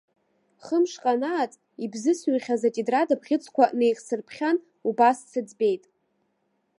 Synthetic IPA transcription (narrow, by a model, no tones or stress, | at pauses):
χəmʂqʼanaːt͡sʼ | ibzɨsɥʏχʲazatʼidradapʰχʲɪt͡sʰʼkʷaʔne̞jχʲsɨrpʰχʲan | ubast͡sʰɨd͡zbe̞jtʼ